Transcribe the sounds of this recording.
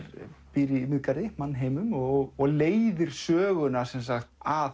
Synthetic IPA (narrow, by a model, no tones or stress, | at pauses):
ɾpɪɾɪmɪðkaɾɪmanːɦeːjmʏmɔɣɔɣleːjðɪɾ̥sœːɣʏnasɛnsaxt̪a